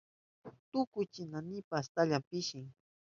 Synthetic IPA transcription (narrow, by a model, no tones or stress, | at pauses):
t̪ʊkʊjt͡ʃɪnanɪpast̪aʎampɪʃɪŋ